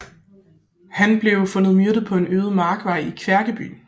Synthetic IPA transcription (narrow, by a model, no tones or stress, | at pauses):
hænb̥le̝ʊfɔ̽nð̩ˠmyɐdəð̩ˠpʰɒ̽e̝nøːðˠmɑ̈ːɡ̥ʋɑ̈ɪikʰʋæɐɡ̥əb̥y̰ːn